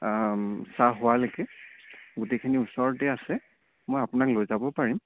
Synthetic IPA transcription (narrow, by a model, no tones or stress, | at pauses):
saɦʊwalokɛ | ɡutejkʰiniusɔɹtɛasɛ | mojapʊnaklojzabɔpaɹim